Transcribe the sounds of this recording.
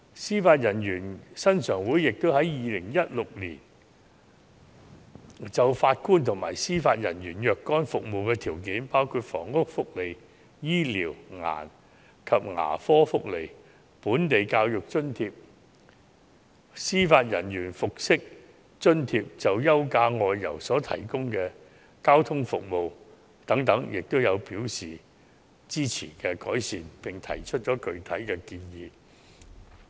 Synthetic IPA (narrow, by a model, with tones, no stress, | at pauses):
siː˥faː˧t̚jɐ˨˩njyː˨˩nsɐ˥nsœː˨˩ŋwuː˨˥jɪ˨k̚t̪o˥whɐ˨˦˥jjiː˨lɪ˨˩ŋjɐ˥t̚lʊ˨k̚lḭː˨˩n | t͡sɐ˨wfaː˧t̚kuː˥nt̪ʰʊ˨˩ŋma̰ː˨˩jsiː˥faː˧t̚jɐ̰˨˩njyː˨˩njœː˨kkːɔː˥nfʊ˨k̚mo˨wkɛː˧t̪ʰiː˨˩wk̬iː˨˥npaː˥wkʰuː˧t̚fɔ̰ː˨˩ŋːʊ˥k̚fʊ˥k̚le˨˩j | jiː˥liː˨˩wŋa̰ː˨˩n | kʰɐ˨p̚ŋa̰ː˨˩fɔː˥fʊ˥k̚le˨˩j | puː˨˥nt̪e˨jkaː˧wjʊ˨k̚t͡ʃɵ˥nt̪ʰiː˧p̚ | siː˥faː˧t̚jɐ˨˩njyː˨˩nfʊ˨k̚sɪ˥k̚ | t͡ʃɵ˥nt̪ʰiː˧p̚t͡sɐ˨wjɐ˥wkaː˧ŋɔː˨˧jːɐ̰˨˩wsɔː˨˥t̪ʰɐ̰˨˩jkʊ˥ŋkɛː˧ | kaː˥wt̪ʰʊ˥ŋfʊ˨k̚mo˨w | t̪ɐ˨˥ŋt̪ɐ˨˥ŋjɪ˨k̚t̪o˥wjɐ˨˧wpiː˨˥wsiː˨ | t͡siː˥t͡sʰḭː˨˩kɛ˧kɔː˨˥jsiː˨npɪ˨ŋt̪ʰɐ̰˨˩jt͡ʃʰɵ˥t̚t͡ʃɔː˨˥kɵ˨˧ɥt̪ʰɐ˨˥jkɛː˧kiː˧njiː˨˧